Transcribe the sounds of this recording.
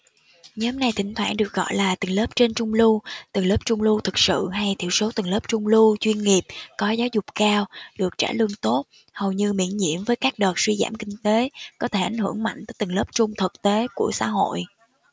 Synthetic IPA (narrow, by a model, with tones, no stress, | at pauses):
ɲɨ˧˨˦mna˧jt̪ʰï˧˩ŋ̟t̪ʰwaː˧˩nɗɨ˨˩ək̚ɣɔ̰˧˨jlaː˨˩t̪ï˨˩ŋ̟ləː˦˥p̚t͡ɕe˧nt͡ɕʊ˧ŋ͡mlu˧t̪i˨˩ŋləː˦˥p̚t͡ɕʊ˧ŋ͡mlu˧t̪ʰɨ˨˩k̚sɨ̰˧˨ɦa˧jt̪ʰi˧˩əwso˨˦t̪i˨˩ŋ̟ləː˦˥p̚t͡ɕʊ˧ŋ͡mlu˧t͡ɕwi˧ənŋi˨˩əp̚kɔ˨˦zaː˨˦wzʊ˨˩k͡p̚kaː˧wɗɨ˨˩ək̚t͡ɕa̰ː˧˩lɨ˧əŋt̪o˦˥t̚ | hə˨˩wɲɨ˧mḭ˧˩ənɲḭ˧˥˨əmvəː˨˦jkaː˦˥k̚ɗəː˨˩t̚swi˧za̰ː˧˩mkï˧ŋ̟t̪e˨˦kɔ˨˦t̪ʰe˧˩ʔa˨˩jŋ̟hɨ˧˩əŋma̰˧˨jŋ̟t̪əː˨˦jt̪ï˨˩ŋ̟ləː˦˥p̚t͡ɕʊ˧ŋ͡mt̪ʰɨ˨˩k̚t̪e˨˦ku˧˩əsa̰ː˧˥ɦo̰˧˨j